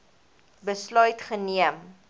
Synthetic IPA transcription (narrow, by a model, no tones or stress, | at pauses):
bəslœɥtχəniəm